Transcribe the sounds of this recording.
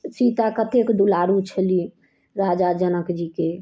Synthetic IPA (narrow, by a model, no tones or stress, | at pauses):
sit̪akət̪ekd̪ulaɾut͡ʃʰəli | ɾad͡ʒad͡ʒənəkd͡ʒike